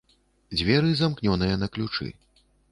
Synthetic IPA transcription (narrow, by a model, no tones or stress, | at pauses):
d͡zʲvʲɛɾɨzamknʲɔnɨjɐnɐklʲut͡ʂɨ̰